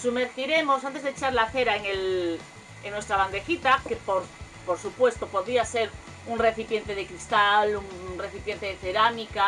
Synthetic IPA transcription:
sumeɾθiɾe̞mo̞sant̪̬ezðeːt͡ʃaɾlaθeɾaeŋel | eŋnwe̞st̪ɾaβand̪e̞xit̪akepoɾ | poɾsupwe̞st̪opo̞ðɾiase̞ɾ | uŋre̞θipje̞nt̪e̞ðekɾist̪aluŋre̞θipje̞nt̪e̞ðeθeɾamika

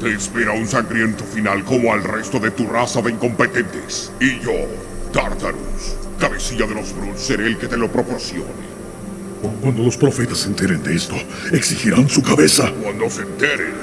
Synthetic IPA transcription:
t̪eːspe̞ɾaunsaŋɡɾje̞nt̪ofinalko̞moalre̞st̪o̞ðe̞t̪urasaðe̞iŋko̞mpet̪ent̪e̥s | iʝo | t̪aɾt̪aɾṵskaβe̞siaðelo̞zβɾut̪sːeɾeelke̞t̪e̞lo̞pɾo̞po̞ɾsjo̞̰ne | okwand̪o̞lo̞spɾo̞fe̞t̪asːe̞nt̪eɾend̪eest̪o | eksixiɾansukaβesakwand̪osent̪eɾḛn

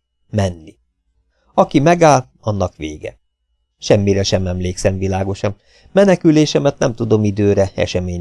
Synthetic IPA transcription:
mɛnːi | ɒkimɛɡaːl | ɒnːɒkʋḛːɡɛ̰ | ʃɛmːiɾɛʃɛmɛmleːksɛɱvilaːɡo̞ʃɒn | mɛnɛkyleːʃɛmɛt̪nɛmt̪ud̪o̞mid̪øːɾɛɛ̰ʃɛmeːɲ

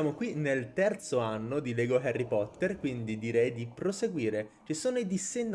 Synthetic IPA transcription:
aːmokwinelt̪ɛrt̪soanːod̪ilɛːɡoɦɛrːipɔt̪ːerkwind̪id̪iɾɛjd̪ipɾoseɡwiːɾet͡ʃisoːnoid̪isːenː

